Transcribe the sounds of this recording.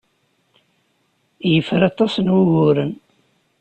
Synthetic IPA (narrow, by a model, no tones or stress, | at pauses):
jəfɾɑt̪ˤɑsənwʊʝʊɾən